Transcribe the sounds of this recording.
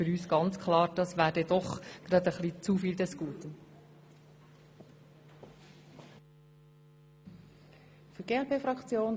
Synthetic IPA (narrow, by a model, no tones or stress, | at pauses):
fʏɾyːsɡ̥ɑnt͡skʰlɑːɾd̥ɑsʋæːɾdɛdɔχɡ̥ɾɑd̪əχlit͡sufiːld̪ɛskuːt̪ən | fyɡeːɛlpʰeːfɾɑkt͡sjoːn